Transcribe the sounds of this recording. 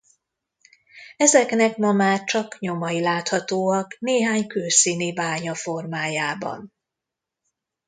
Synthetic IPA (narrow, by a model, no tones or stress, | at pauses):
ɛzɛknɛkmɒmaːt͡ʃɒkɲo̞mɒilaːt̪hɒt̪oːɒkneːɦaːɲkøːsiːnibaːɲɒfo̞rmaːjaːbɒ̰n